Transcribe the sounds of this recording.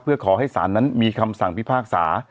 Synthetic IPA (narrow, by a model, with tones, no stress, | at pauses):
pʰɯ˥˩ɐkʰɔː˩˦ɦa˥˩jsa̰ː˩˦nːa˦˥nmiː˧kʰa˧msa˨˩ŋpʰi˦˥pʰaː˥˩k̚sa̰ː˩˦